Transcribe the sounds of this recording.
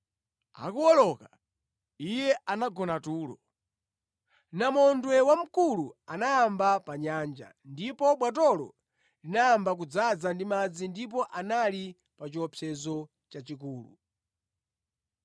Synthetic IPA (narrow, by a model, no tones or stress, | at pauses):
a̰kuwɔlɔka | ijɛanaɡɔnatuːlɔ̰ | namɔndwɛwam̩kuluanajːmbapaɲand͡ʒa̰ndipɔɓwat̬ɔlɔ̰ | linaambak̬ud͡zad͡zandimad͡zindipɔʔanali | pat͡ʃɔpʰɛzɔ | t͡ʃat͡ʃik̬uːlṵ